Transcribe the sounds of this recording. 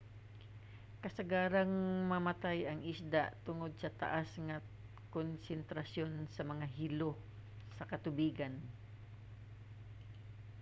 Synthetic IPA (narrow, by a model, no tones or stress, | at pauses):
kɐsɐɡaːɾaŋmɐmɐt̪ajɐŋʔɪsd̪aʔt̪ʊŋod̪̚sɐt̪ɐ̰ʔasŋɐ | konsɛnt̪ɾɐsjo̞nsɐmɐŋaɦɪlo | sɐkɐt̪ʊbiːɡan